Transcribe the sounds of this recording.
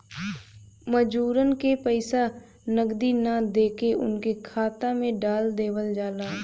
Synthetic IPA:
məd͡ʒuːɾənkepəɪsa | nəɡd̪inad̪eːkeʔʊ̰nkekʰaːt̪amẽɖaːld̪eːʋəld͡ʒaːlaː

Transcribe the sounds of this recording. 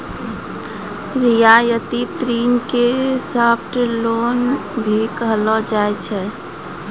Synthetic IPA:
ɾijajət̪it̪ɾinkesəpʰʈlonbʱikəɦəlɔd͡ʒaɛt͡ʃʰɛ

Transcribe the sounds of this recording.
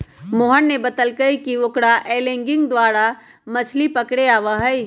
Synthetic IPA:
moːɦənːebət̪əlkəikiokɽaʔeːlẽːŋɡɪ̃ŋɡ̚d̪waːɾa | mɐt͡ʃʰlipəkɽeaːʋəɦəi

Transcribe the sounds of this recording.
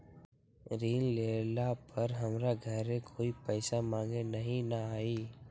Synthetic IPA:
ɾiːnleːlapəɾɦɐmɾaɡʱɐɾẽkʰoːipɛːsamãːŋɡenɐɦĩnaaːiː

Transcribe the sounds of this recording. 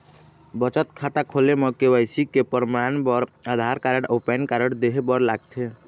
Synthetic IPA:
bət͡ʃət̪kʰat̪akʰolemɔkewəɪsikepəɾmanbɔɾad̪ʱaɾkaɾəɽopɛnkaɾəɽd̪eɦebɔɾlaːɡ̚t̪ʰe

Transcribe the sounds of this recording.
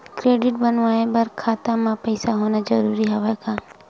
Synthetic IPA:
kɾeːɖɪʈ̚bənʋaːebɐɾkʰaːt̪amãpɛɪsaɦoːnad͡ʒəɾuːɾiɦoʋekaː

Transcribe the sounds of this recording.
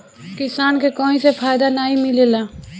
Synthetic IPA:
kisaːnkekɔɦĩsepʰajd̪anaimilela

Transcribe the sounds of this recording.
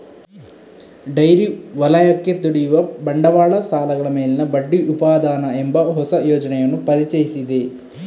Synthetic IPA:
ɖɐjɾiʋɐlɐjɐkːet̪uɽijuʋɐbɐɳɖɐʋaːɭɐsaːlɐɡɐɭɐmeːlinɐbɐɖːiʔupaːd̪aːnɐembɐɦɔsɐjoːd͡ʒɐnɛjɐnːupɐɾit͡ʃɐjisid̪e

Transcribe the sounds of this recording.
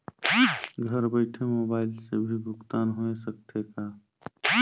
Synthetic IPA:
ɡʱəɾbəɪʈʰemoːbaːɪlsḛbʱibʱʊkt̪aːnɦoesək̚t̪ʰeka

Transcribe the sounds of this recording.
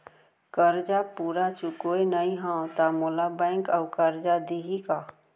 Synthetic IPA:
kəɾd͡ʒapuːɾat͡ʃʊkoenəĩɦãt̪amoːlabɛ̃ːŋkəwkəɾd͡ʒad̪iɦika

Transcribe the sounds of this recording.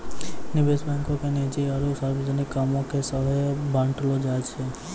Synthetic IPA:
nɪbesbɛ̃ŋkokened͡ʒiəɾusaɾbid͡ʒənikːamõkesəɦəjbʱãɳʈlod͡ʒad͡ʒt͡ʃʰe

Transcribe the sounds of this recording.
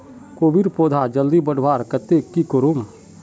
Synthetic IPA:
koːbiɾpoːd̪ʱad͡ʒəld̪ibəɽʋaːɾkɐt̪ekːikoɾum

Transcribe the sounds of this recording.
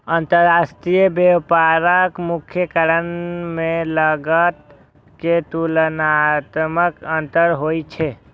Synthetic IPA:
ənt̪əɾasʈɾijəbepaɾəkmukʰjəkəɾənmeləɡət̪ | ket̪ulənat̪məkənt̪əɾɦojt͡ʃʰɛ

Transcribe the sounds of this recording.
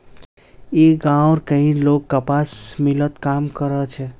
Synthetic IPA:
eɡãʊɾkəɦĩlokːəpasmilət̪kamkəɾət͡ʃʰɛ

